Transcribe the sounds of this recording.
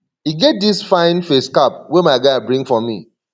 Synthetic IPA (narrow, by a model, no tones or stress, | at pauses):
hiɡɛt̚disfãɪ̃nfeskap̚wemaɪɡaɪbɹĩŋfɔmḭ